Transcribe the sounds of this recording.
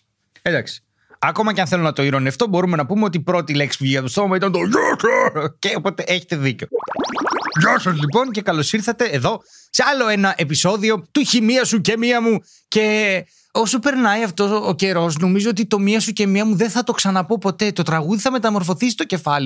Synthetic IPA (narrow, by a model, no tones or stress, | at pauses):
end̪ɐksi̥ | ɐko̞mɐceɐnθe̞lonɐt̪o̞iɾoneɐft̪o̞bo̞ɾumenɐpumeo̞t̪ipɾo̞t̪ile̞ksi̥pvʝiɐt̪ost̪omɐmɐit̪ɐnt̪oʝɐtoceopo̞t̪e̞ʔeçet̪e̞ðiceo̞ | ʝɐsɐzlipo̞nce̞kɐlo̞siɾθɐt̪e̞ːðo̞ | seɐlo̞e̞nɐʔe̞piso̞ðio̞t̪uçimiɐsucemiɐmu | ce̞ | o̞sope̞ɾnɐiɐft̪o̞sːce̞ɾo̞s̬no̞mizoot̪it̪o̞miɐsuce̞miɐmuðenθɐt̪o̞ksɐnɐpo̞po̞t̪e̞t̪o̞t̪ɾɐɣuðiθɐme̞t̪ɐmo̞ɾfo̞θisi̥t̪oce̞fɐli